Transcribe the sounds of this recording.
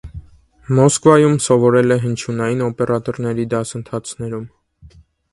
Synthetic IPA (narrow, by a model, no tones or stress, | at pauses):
mɔskvɑjumsɔvɔɾɛlɛɦənt͡ʃʰunɑjinɔpɛɾɑt̪ɔɾnɛɾid̪ɑsənt̪ʰɑt͡sʰnɛɾum